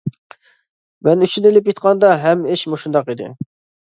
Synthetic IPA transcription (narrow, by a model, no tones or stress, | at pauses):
mɛnyt͡ʃʰynelɪpjet̪qʰɑnd̪ɑɦɛmɪʃmuʃund̪ɑqid̪ɪ̰